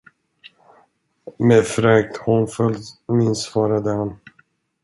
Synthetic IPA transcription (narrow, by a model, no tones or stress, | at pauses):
mefɾɛːk̚t̪hɔnfœlmɪnsvɑːɾad̪əhan